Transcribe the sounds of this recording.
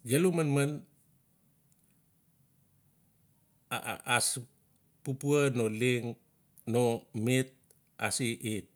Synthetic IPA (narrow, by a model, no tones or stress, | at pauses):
ɡelumənmən | a̰as | pupuanoliŋ | nomit̪̚ | a̰siʔit̪̚